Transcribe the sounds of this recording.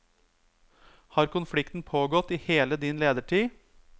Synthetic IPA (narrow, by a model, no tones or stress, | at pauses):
hɑːɾkʊnflɪkt̪n̩pʰoːɡɔt̪iːheːləd̪ɪnleːd̪əʈʰiː